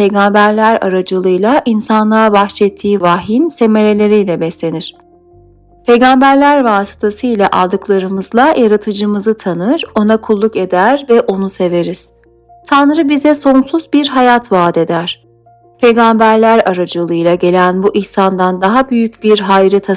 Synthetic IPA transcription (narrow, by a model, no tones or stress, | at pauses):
pe̞jɡambæɾlʲæɾa̰ɾad͡ʒɯlˠɯjlˠaʔinsanlˠabaxt͡ʃɛt̪ʰːiːvaɦinse̞me̞ɾe̞lʲe̞ɾijlʲɛbɛslʲe̞niɾ̥ | pʰe̞jɡambæɾlʲæɾvaːsɯ̥t̪ʰasɯjlʲaʔa̰lˠd̪ɯklˠaɾɯmɯzlˠajʔaɾat̪ʰɯd͡ʒɯmɯzɯt̪ʰanɯɾ̥o̞nakʰulˠːuke̞d̪æɾvɛʔo̞nuse̞ve̞ɾiz̥ | t̪ʰanɾɯbizɛso̞nsuzbiɾɦajat̪vaːd̪e̞d̪æɾ̥ | pʰe̞jɡambæɾlʲæɾaɾad͡ʒɯlˠɯjlˠaɟe̞lʲænbuʔiçsand̪and̪aɦabyjycbiɾɦajɾɯt̪ʰa